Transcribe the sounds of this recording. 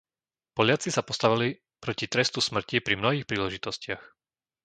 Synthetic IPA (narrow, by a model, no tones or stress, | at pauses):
pɔʎɪat͡sisapɔst̪aʋili | pɾɔcit̪ɾɛst̪usmr̩cipɾimnɔɦiːxpɾiːlɛʒit̪ɔscɪax